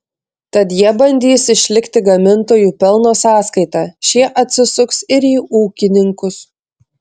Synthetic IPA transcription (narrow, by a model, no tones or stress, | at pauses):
t̪ɐt̪jiɛbɐnʲd̪ʲiːsɪʃʲlʲɪkt̪ʲɪɡɐmʲɪnt̪oːjuːpʲɛlˠnoːsɑːskɐɪt̪ɑːʃʲiɛʔɐt̪ʲsʲɪsʊksɪɾiːuːkʲɪnʲɪŋkʊs